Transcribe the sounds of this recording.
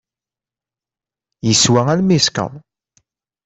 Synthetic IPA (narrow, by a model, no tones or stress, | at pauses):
jəswæælmiskə̰ðˤ